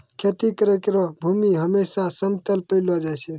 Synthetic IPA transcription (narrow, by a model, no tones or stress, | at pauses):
kʰet̪ikəɾekɾɔbʱumiɦəmesasəmt̪əlpəɪlɔd͡ʒajsʰɛ